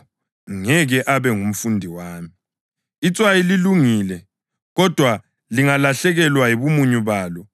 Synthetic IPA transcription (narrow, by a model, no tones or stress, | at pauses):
ŋɛɣɛʔaβɛŋum̩fundʱiwaːmi | it͡sʼwajililuŋiːlɛ | ɣɔd̥ʱwa | liŋalaɬɛɣɛlwajiβumuɲuβaːlɔ